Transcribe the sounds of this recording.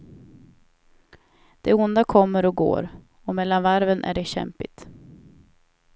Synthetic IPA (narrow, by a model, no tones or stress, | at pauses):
d̪̥ɛʊnd̪akʰɔmːəɾɔɡo̰ːɾ | ɔmɛlːanvaɾvənʔæ̰ɖɛɕɛ̰mpɪt̪